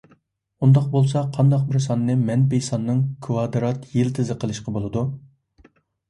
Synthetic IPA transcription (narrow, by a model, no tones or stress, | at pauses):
und̪ɑq̚bolˠsɑqʰɑnd̪ɑq̚bɪɾsɑnɨːɨmɛnpejsɑnːɨŋkʰwɑd̪ɾɑt̪jelt̪ʰɪzɨqʰəlˠɨʃqɑbolˠɨd̪u